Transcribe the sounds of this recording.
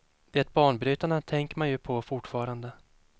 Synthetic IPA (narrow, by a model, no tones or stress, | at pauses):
d̪̥ɛt̪̚bɑːɳbɾyːt̪aɳat̪ʰɛŋkəɾmanjɵpʰɔfʊʈːfɑːɾand̪ə